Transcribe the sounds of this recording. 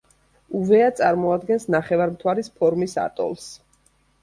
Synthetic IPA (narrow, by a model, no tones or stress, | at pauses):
uvɛat̪sʼaɾmɔad̪ɡɛnsnaχɛvaɾmt̪ʰwaɾispʰɔɾmisa̰t̪ʼɔ̰lˠs